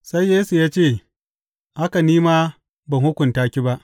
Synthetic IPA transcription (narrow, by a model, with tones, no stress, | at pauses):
sa˦jːeː˦su˨jaː˦t͡ʃeː˦˨ | ʔa˦ka˨niː˦maː˦ | ba˨ŋhʊ˦kʷʊ˨ntaː˦kʲi˦ba˦ʔ